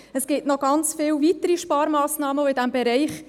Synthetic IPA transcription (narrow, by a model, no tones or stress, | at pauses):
əsɡ̥ɪtnɔɡ̥ɑnt͡sfɪːlvitəɾiʃpɑːɾmɑːsnɑːməoɪdæmbɛɾɛɪχ